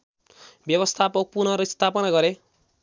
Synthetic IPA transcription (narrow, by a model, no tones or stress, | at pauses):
bjʌbʌst̪ʰapʌk̚punʌɾʌist̪ʰapʌnaɡʌɾe